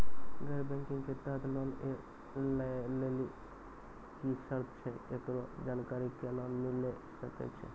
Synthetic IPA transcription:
ɡəɾbɛ̃ŋkɪ̃ŋɡked̪əd̪lɔːne | leleli | kisəɾt̪ʰt͡ʃʰɛket̪ɾod͡ʒaːnkaːɾikelɔnmile | səkḛt͡ʃʰɛ̰

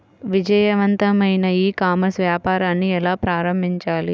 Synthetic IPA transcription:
ʋid͡ʒɐjɐʋɐnt̪ɐmɐjnɐiːkaːmɐɾsʋjaːpaːɾaːnːiɛlaːpɾaːɾɐmbʱiɲt͡ʃaːli

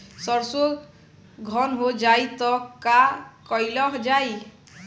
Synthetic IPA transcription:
sɔɾso | ɡʱɔnɦod͡ʒajt̪ɔkakɔjlɔɦd͡ʒaj

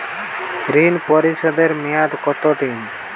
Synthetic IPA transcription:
ɾinpɔɾiʃɔd̪eɾmijad̪kɔt̪ot̪in

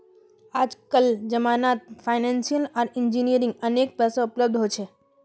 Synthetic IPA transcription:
aːd͡ʒkəld͡ʒəmanat̪̚fʰaɪnãnsijəlaɾɪɲd͡ʒinijəɾĩŋɡənek̚pɛsoʊpləb̚d̪ɦojt͡ʃʰe

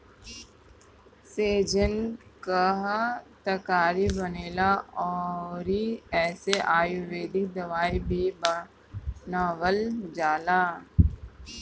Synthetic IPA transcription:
seːd͡ʒənkaɦt̪ɐkaːɾibɐneːlaɔːɾiɛːseʔaːjʊʋeːd̪ɪk̚d̪ɐʋaːibʱiba | naːʋəld͡ʒaːlaː

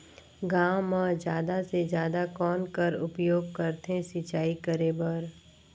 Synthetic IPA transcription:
ɡaːwmə̃d͡ʒjaːd̪ased͡ʒjaːd̪akɔːnkəɾʊpjoːɡkəɾt̪ẽsit͡ʃaːikəɾebəɾ

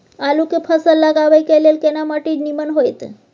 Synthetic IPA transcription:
alukepʰəsəlːaɡaʋəjkelelkenamaʈiːnimənɦojt̪

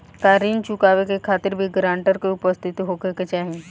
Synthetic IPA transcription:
kaɾiːnt͡ʃukaʋekekʰat̪iɾbʱiɡɾaɳʈəɾkeupəst̪ʰit̪iɦokeket͡ʃaɦi

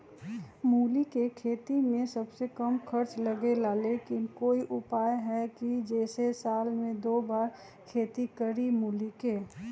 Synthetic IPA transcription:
muːlikekʰeːt̪imẽsɐbsekɐmxɐɾt͡ʃlɐɡelaleːkɪnkoːiʔʊpaːjɦɛkid͡ʒɛːsesaːlmẽd̪oːbaːɾ | kʰeːt̪ikɐɾimuːlikeː

